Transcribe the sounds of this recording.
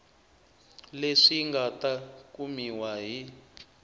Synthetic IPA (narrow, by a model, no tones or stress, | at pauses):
leʂiŋɡatakumiwaɦi